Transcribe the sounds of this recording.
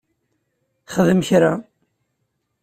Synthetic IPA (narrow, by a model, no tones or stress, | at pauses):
χəðəmçɾa